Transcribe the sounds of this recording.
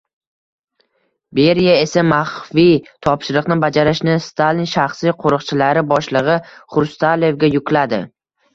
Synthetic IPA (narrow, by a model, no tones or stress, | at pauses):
be̞ɾjae̞samaχfit̪ʰɒpʃɪɾɨqnɪbad͡ʒaɾɪʃnɪst̪ʰalinʃaχsijqʰoɾɨqt͡ʃʰɪlaɾɪbɒʃlˠɨʁɨχʊɾst̪ʰale̞vɡʲajʊkʲlad̪ɪ̰